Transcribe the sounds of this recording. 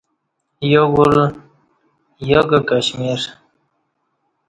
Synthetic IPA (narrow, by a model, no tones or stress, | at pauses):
joɡul | joɡakaɕmiɾ